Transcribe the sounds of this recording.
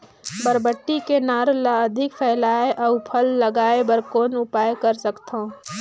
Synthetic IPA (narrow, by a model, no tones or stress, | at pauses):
bəɾbəʈːikenaːɾlaəd̪ʱɪkpʰɛːlaːeʔɔʊpʰəlːəɡaːebəɾkoːnʊpaːjkəɾsəkt̪õː